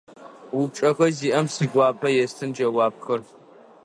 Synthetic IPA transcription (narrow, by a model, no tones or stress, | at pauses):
wʊp̚t͡ʃʼɐxɐziːʔɐmsɨɡʷaːpʰɐjɛstʰɨnd͡ʒɐwaːp̚xɐr